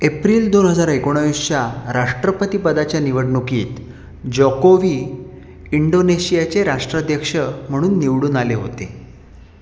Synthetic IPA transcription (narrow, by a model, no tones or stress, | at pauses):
epɾiːld̪onɦəd͡zaɾekoɽ̃aʋist͡ɕaɾaʂʈɾəpət̪ipəd̪at͡ɕjaniʋəɽɳukiːt̪ | d͡ʑɔkoʋiː | iɳɖoneɕijat͡ɕeɾaʂʈɾad̪jəkʂəm̤əɽ̃uːnːiʋɽuːnaleɦo̰t̪e